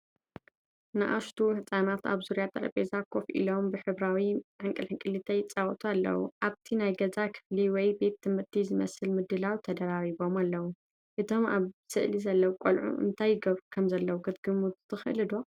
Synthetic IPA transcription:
nɨʔaʃt̪ʰuħɨt͡sʼːanat̪a̰βzuɾijat̪ʰɐɾɐ̰pʼezakʰofʔḭlo̞mbɨħɨβɾawiʕɨŋkʼɨlħɨŋkʼɨlɨt̪ʰɐjt͡sʼawt̪ʰʼualːɐ̰wṵʔaβt̪ʰinajɡɐzakʰɨ̥fliwɔjbe̞t̪ʰːɨmɨɾt̪ʰizɨmɐ̰sɨlmɨd̪ɨlawt̪ʰɐd̪ɐɾaɾiβo̞malːɐwu | ʔɨt̪ʰo̞ma̰βsɨʔlizɐlːɐwukʼo̰lʕṵʔɨ̰nt̪ʰajːɡɐβɾukʰɐmzɐlːɐwuɡɨt̪ɡɨmut̪t̪ʰɨxʔɨlɨd̪o

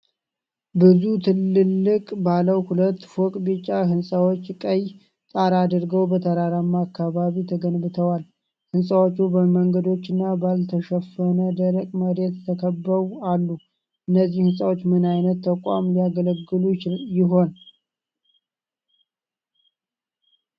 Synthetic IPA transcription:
bɨzut̪ʰɨlːɨlːɨkʼbaləwhulət̪ːfokʼbɨt͡ʃʼːaɦɨnsʼəwot͡ʃːkʼəj | t̪ʼaɾad̪ɨɾɡəwbət̪ʰəɾaɾamːaakːaβaβit̪ʰəɡənbɨt̪ʰəwal | hɨnsʼawo̞t͡ʃːubəməŋɡəd̪o̞t͡ʃːɨnːabalt̪ʰəʃəfənəd̪əɾəkʼməɾe̞t̪t̪ʰəkʰəbːəβualːu | ʔɨnːəzːihɨnsʼawot͡ʃːmɨnajnət̪ːʰəkʷʼa̰mliaɡələɡːɨlujɪɦo̞n

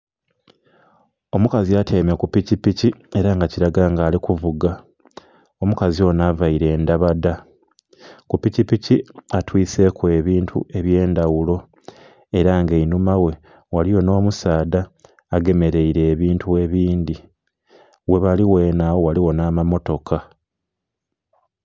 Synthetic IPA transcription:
o̞mukaziatʰeːmakupicipicie̞ɾaŋɡaciɾaɡaːŋɡaːlikuvuɡa | omukazio̞ːnavaiɾe̞ːndaβada | kupicipiciatwiːse̞kue̞βiːntʰṵe̞βje̞ːndawulo̞ | e̞ɾaŋɡeinumawe̞ | walijo̞no̞ːmusaːdaː | ɡe̞me̞ɾe̞iɾe̞ːβiːntue̞βiːndi | we̞βaliwe̞ːnawowaliwo̞naːmamo̞to̞kʰa

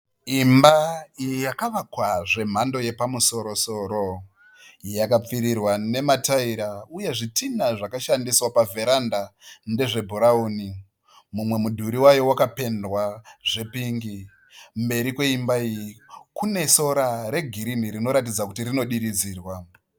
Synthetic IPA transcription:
imbaijijakaʋakwaʐe̞m̤ando̞je̞pamuso̞ɾo̞so̞ɾo̞ | jakap͡fiɾirwane̞mataiɾauje̞ʐitinaʐakaʃandiswapave̞ɾandande̞ʐe̞bʱuɾauːni | mumwe̞mudʱuɾiwajo̞wakape̞ndwaʐ̥e̞piŋɡi | mbe̞ɾikwe̞imbaijikune̞so̞ɾaɾe̞ɡʱiɾiniɾino̞ɾatid͡zakutiɾino̞ɗiɾid͡ziːrwa

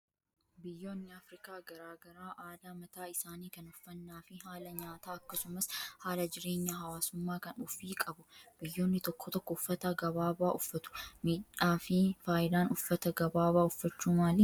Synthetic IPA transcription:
bɪjːo̞ːnːɪɐfɾɪkaːɡɐɾaːɡɐɾaːʔaːd̪aːmɐt̪aːɪsaːniːkɐnʊfːɐnːaːfɪɦaːlɐɲaːt̪aːɐkːɐsʊmɐshaːlɐd͡ʒɪɾe̞ːɲːɐɦɐwaːsʊmːaːkɐnʊfiːkʼɐbʊb̥ɪjːo̞ːnːɪt̪ɔkʰːɔt̪ɔkːɔʊfːɐt̪ɐɡɐβaːbaːʔʊfːɐt̪ʊ̥miːᶑaːfɪfaːjɪd̪aːnʊfːɐt̪ɐɡɐbaːβaːʊfːɐt͡ʃːuːmaːlɪ

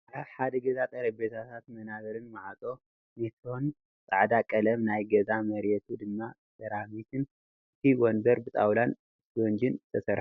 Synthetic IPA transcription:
aħad̪ɐɡɐzat̪ʼɐɾɐbet̪ʰat̪ʰat̪mɐnaβɐɾɨnmaʕat̪ʼo̞ | met̪ʰɾo̞n | sʼaʕd̪akʼɐlɐmnajɡɐzamɐɾɛt̪ʰud̪ɨmːa | sɐɾamit̪ʰɨn | ɨt̪ʰiwɔnbɐɾbɨt̪ʼawlan | twɔnd͡ʒɪnzɨt̪ʰɐsɐɾħu̥

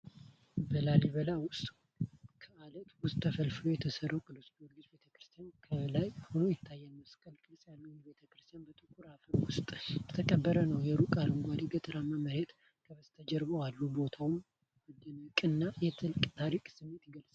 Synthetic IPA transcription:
bəlaliβəlawʊst̪ʼ | kʰəalət̪wʊst̪ʼːəfəlfɨlojɛt̪ʰəsəɾəwkʼɨlusbiwolɡit͡ʃbe̞t̪ʰəkɾɨst̪ʰijankʰəβəlajhonojɛt̪ʰːajːɛməskʼəlkʼɨlsʼjalːunbe̞t̪ʰəkɾɨst̪ʰijanbət̪ʼɨkʰːuɾafəɾwʊst̪ʼjɛt̪ʰəkʼəbːəɾənəwjɛɾukʼaɾəŋɡʷad̪iɡət̪ʼɨɾamːaməɾet̪ | kʰəβəst̪ʰəd͡ʒɛɾbəwalːubo̞t̪ʰawʊm | ɔd̪ənəkʼɨnːajɛt̪ʰɨlkʼt̪ʰaɾikʼsɨmːe̞t̪ɡəlsʼ

